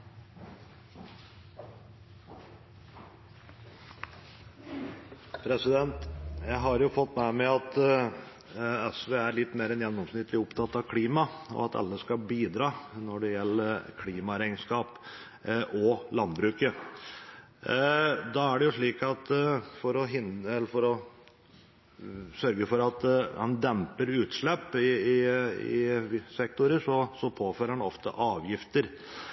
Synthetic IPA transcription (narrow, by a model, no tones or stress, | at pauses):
pʰɾɛsɪd̪ɛnt̪jæɪɦɑɾjʊfɔt̪ːmæmɛɑt̪ | ɛsʋeːæɾɭɪt̪ːmeːɾɛnjɛnːɔmsnɪt̪ːlɪʊpt̪ʰɑt̪ːɑʋkʰliːmɑɔ̰ɑt̪ɑ̰lːəskɑbiːd̪ɾɑːnɔɖɛjɛlːəkʰliːmɑɾæɪnskɑːp | ʔɔlɑnbɾʉːkə | d̪ɑæɖɛjʊʂɭiːkɑt̪fɔɾɔɦɪnɛlːəɾfɔɾɔ | sœɾɡəfɔɾɑt̪hɑnd̪ɛmpəɾʉːt̪ʂɭɛpːɪɪɪɪ̰sɛk̚t̪ʊɾəʂɔsɔpʰoːføːɾəhɑnɔft̪ə̰ʔɑːʋjɪft̪əɾ